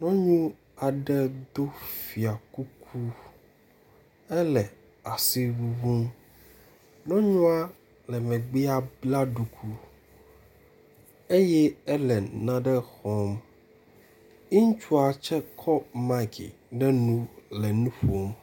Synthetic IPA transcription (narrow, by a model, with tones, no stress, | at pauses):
nɔ̃˦ɲũ˦ | a˨ɖɛ˦d̪o˦fi˨a˨ku˦kʰu˦ | ɛ˦lɛ˨ | a˨si˦wu˨vu˦m | nɔ̃˦ɲɔ̃˦a˦ | lɛ˨mɛ̃˨ɡ͡bi˦a˦bla˦ɖu˨kʰu˦ | e˦jɛ˦ɛ˦lɛ˨nã˦ɖɛ˦xɔ̃˨m | i˦ŋ˦t͡ʃu˦a˨t͡ʃɛ˦kʰɔ˦ma˦˨kḭ˨ɖɛ˦nũ˦lɛ˨nũ˦ɸo˨m